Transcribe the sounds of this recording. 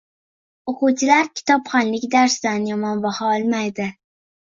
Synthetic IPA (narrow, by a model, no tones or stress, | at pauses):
oqʊwt͡ʃʰɪlaɾkʲʰɪ̥t̪ʰɒpχɒnlɪkʲd̪aɾsd̪anjɒmɒnbɒhɒɒlˠmajd̪ɪ